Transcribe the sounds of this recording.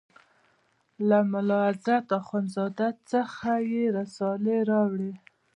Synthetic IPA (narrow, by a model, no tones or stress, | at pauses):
lamʊlɑazat̪axwanzɑd̪at͡səxajeɾasɑleɾɑwɽi